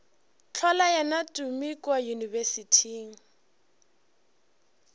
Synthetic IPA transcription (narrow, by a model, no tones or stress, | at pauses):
t͡ɬʰɔlajanatʼumikʼwajunivɛsitʰiːŋ̩